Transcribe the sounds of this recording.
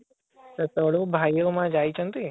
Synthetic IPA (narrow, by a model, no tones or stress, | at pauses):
t̪ət̪oɽubʱaːijomãd͡ʒaːit͡ʃʰə̃nt̪i